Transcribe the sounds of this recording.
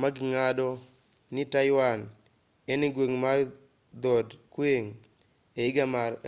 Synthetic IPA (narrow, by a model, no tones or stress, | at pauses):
maɡɪŋadɔ | nɪtajwan | enɪɡweŋma | d̪odkweŋ | eɪɡama